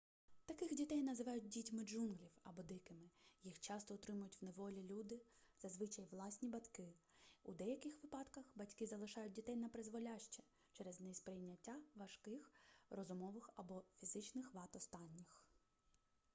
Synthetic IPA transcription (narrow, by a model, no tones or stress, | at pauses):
t̪ɐkɪxdʲit̪ɛjnɐzɪʋɑjʊt̚ʲdʲitʲmɪd͡ʒunɦlʲiwɐbɔd̪ɪkɪmɪjixt͡ʃɑst̪ɔʊt̪ɾɪmʊjʊtʲwneʋɔlʲilʲud̪ɪz̥ɐzʋɪt͡ʃɐjʋlˠɑsʲnʲibɐt̪kɪud̪ɛjɐkɪxʋɪpɑd̪kɐxbɐtʲkɪzɐlˠɪʃɑjʊt̚ʲdʲit̪ɛjnɐpɾɪzʋɔlʲaʃt͡ʃɛ | t͡ʃɛɾɛznɛspɾɪjnʲːɐtʲːaʋɐʃkɪxrɔzʊmɔʋɪxɐbɔfʲizɪt͡ʃnɪxʋɑt̪ɔst̪ɑnʲːix